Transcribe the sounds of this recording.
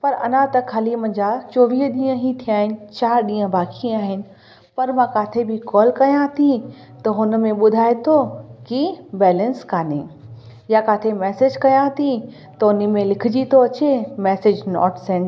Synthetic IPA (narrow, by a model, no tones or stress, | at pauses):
pɐɾɐ̰nãt̪ɐkʰaːlimɐ̃ɲd͡ʑat͡ɕɔːʋiːɦɗĩːə̃ɦit̪ʰiaːɦɪnɪ̆t͡ɕaːɾɗĩːə̃baːkʰiaːɦɪnɪ̆ | pɐɾmãkaːt̪ʰebʱɪkɔːlkɐjãt̪ʰi | t̪ɐɦʊn̆mẽɓʊd̪ʱaːet̪ʰokibɛːlə̃nskaːne | jakaːt̪ʰemɛːsed͡ʑkɐjãt̪ʰi | t̪ɐʊnimẽlɪkʰɪd͡ʑit̪ʰoɐt͡ɕemɛːsed͡ʑnɔ̰ːʈsɛ̃ːɳʈ